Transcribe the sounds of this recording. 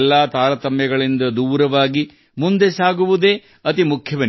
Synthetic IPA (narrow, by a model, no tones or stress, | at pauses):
lːaːt̪aːɾɐt̪ɐmjɐɡɐɭind̪ɐd̪uːɾɐʋaːɡi | mund̪e̞saːɡuʋud̪e̞ | ɐt̪imukʰjɐʋɐn